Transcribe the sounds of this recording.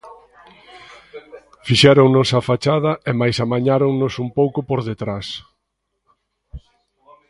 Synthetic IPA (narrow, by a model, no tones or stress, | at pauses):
fiʃɛɾoŋnosafat͡ʃað̞ɐemajsamaɲaɾoŋnʊsumpowkʊpoɾðet̪ɾas